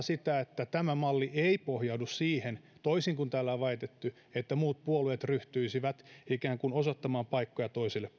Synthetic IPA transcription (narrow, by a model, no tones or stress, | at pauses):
sit̪æet̪ːæt̪æmæmɑlːiʔeipohjɑudussiːhent̪oisiŋkunt̪æːlːælɑit̪et̪ːy | et̪ːæmuːt̪̚puoluet̪ryht̪yisiʋæt̪ikæːŋkunosot̪ːɑmɑːmpɑikːojɑt̪oisilːep